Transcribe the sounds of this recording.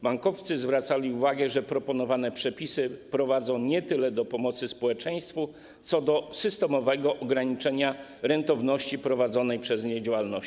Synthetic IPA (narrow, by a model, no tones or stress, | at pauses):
baŋkɔft̪sɘzvɾat̪salʲiuvaɡɛʐɛpɾɔpɔnɔvanɛpʂɛpʲisɘpɾɔvad̪zɔ̃w̃ɲɛt̪ɘlɛd̪ɔpɔmɔt̪sɘspɔwɛt͡ʂɛj̃st̪fu | t̪sɔd̪ɔsɘst̪ɛmɔvɛɡɔʔɔɡɾaɲit͡ʂɛɲaɾɛnt̪ɔvnɔɕt͡ɕipɾɔvad̪zɔnɛjpʂɛzɲɛd͡ʑawalnɔ